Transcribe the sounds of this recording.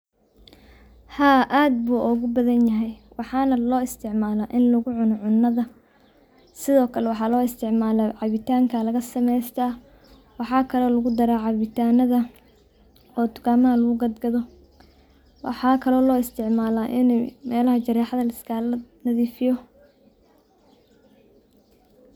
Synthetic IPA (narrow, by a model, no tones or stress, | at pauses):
haːʔaːd̪̚buːʔɔɣʊbɐðɐnjɐɦɛjwɑħɑːnɐlɔːɪst̪ʰɪʕmaːlaʔɪnlɐɣʊʕʊnɔʕʊnːɐðɐ | sɪðɔːkʰɐlɛwɑħɑːlɔːɪst̪ʰɪʕmaːlɐʕɑβɪt̪ʰaːŋkʰɐlɐɣɐsɐmɛjst̪ʰɐː | wɑħɑːkʰɐlɔːlɐɣʊd̪ɐɾaːʕɑβɪt̪ʰaːnɐðɐ | ɔːt̪ʊ̥kaːmɐɦɐlɐɣʊɡɐd̪ɡɐðɔ | wʔɑ̰ħɑːkʰɐlɔːlɔːɪst̪ʰɪʕmaːlaːʔɪnɛmɛːlɐɦɐt͡ʃɐɾɛːħɑðɐlɐskʰalɐnɐðiːfɪjɔ